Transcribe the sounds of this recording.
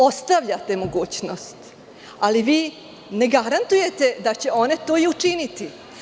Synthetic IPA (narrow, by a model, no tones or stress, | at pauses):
o̞st̪aʋʎat̪e̞mo̞ɡuːt͡ɕno̞st̪ | aliʋiː | ne̞ɡaɾant̪uje̞t̪e̞d̪at͡ɕe̞o̞ne̞t̪o̞ːiut͡ʂinit̪i